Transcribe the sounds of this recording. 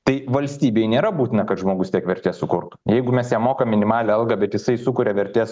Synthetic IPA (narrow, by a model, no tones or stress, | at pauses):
t̪ɐɪʋɐlʲsʲt̪ʲiːbʲeːjnʲeːɾɐbuːt̪ʲɪnɐkɐt̪ʒmoːɡʊst̪ʲiɛkʋʲɛɾʲt̪ʲeːsʊkʊɾt̪ʊ̥jɛɪɡʊmʲɛsjʲɛmoːkɐmːʲɪnʲɪmɑːlʲɛɐlˠɡɐbʲɛt̪jɪsɐɪsʊkʊɾʲɛʋʲɛɾʲt̪ʲeːs